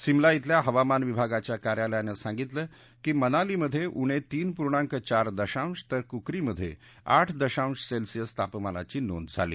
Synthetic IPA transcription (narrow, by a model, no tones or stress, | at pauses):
simlait̪ljaɦəʋamanʋibʱaɡat͡ɕjakaɾjaləjanəsãŋɡit̪ləː | kiːmənaliməd̪ʱːjeʔuɽ̃et̪iːnpuɾɳ̃ãŋkət͡ɕaɾd̪əɕãst̪əɾkukɾiməd̪ʱːjḛ | a̰ʈʰd̪əɕãũsselsijəst̪ʰapmala̰t͡ɕiːno̰nd̪d͡zʱa̰lḭː